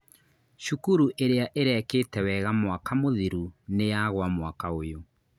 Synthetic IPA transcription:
ʃukuɾuʔeɾeaʔeɾeɛkeːtɛwɛɣamwakʰamoðiɾunejaɣwamwakaojo

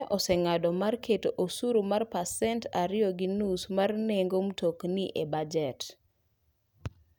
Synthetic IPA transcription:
ʔɔsɛŋadɔmarketoʔosuɾomarpasɛntaɾɪjɔɡinusmarneŋɡomtokniʔebad͡ʒɛt

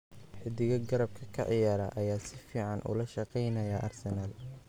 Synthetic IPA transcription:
ħɪd̪ɪɣɐɡɐɾɐb̚kʰɐkʰɐ̰ʕɪjaːɾɐ̰ʔɐjaːsɪfiːʕɑnʔʊ̰lɐʃɑqɛjnɐjɐʔɐrsɛnal

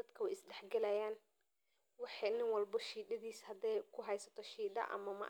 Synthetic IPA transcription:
ɐd̪kʰɐwɛjɪsɖɛħɡɛlɐjaːn | wɑħɑnɪnwɑlbɐʃiːd̪ɐðiːshɐd̪ɛjkʰʊɦɛjsɐ̥t̪ʰɔʃiːd̪ɐ̰ʔɐ̰mɐmɐ̰

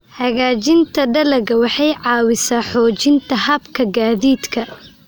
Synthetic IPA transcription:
hɐɣaːt͡ʃɪnt̪ʰɐɖɐlɐɣɐwɑħɑjʕɑːwɪsaːħɔːt͡ʃɪnt̪ʰɐhɐbkʰɐɡaːðiːd̪kʰɐ

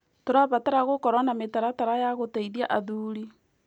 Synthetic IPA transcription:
toɾaβataɾaɣokɔɾwanametaɾataɾajaɣoteiðiaʔaðuːɾi

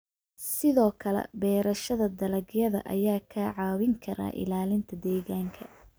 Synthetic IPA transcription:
sɪðɔːkʰɐlɛ̰bɛːɾɐʃɐðɐd̪ɐlɐɡjɐðɐ̰ʔɐ̰jaːkʰaʕɑːwɪŋkʰɐɾa̰ːʔɪ̰laːlɪnt̪ʰɐd̪ɛːɣaːŋkʰɐ

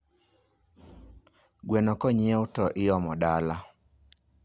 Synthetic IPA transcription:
ɡwenɔkɔɲɪeʊtɔʔɪjɔmɔdala

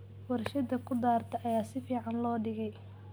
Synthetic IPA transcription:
wɐrʃɐd̪ɐkʰʊd̪aːrt̪ʰɐʔɐjaːsɪfiːʕɑnlɔːɖɪɣɛj

